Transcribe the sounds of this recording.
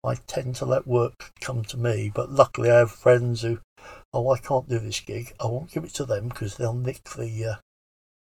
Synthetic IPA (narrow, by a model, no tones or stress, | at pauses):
aɪtʰɛ̃ntʰəlɛʔwɜˑ˞kkʰʌ̃mtʰəmib̥ʌʔˡlʌklˠiaɪəv̥fɹɛ̃ndz̥hʉoʊaɪkʰɑ̃ˑnd̥ɨðɪsɡ̥ɪɡaɪwõʊ̃nɡ̥ɪvɨtʰəðə̃mkʰʌzðeɪlˠnɪk̚ðijʌ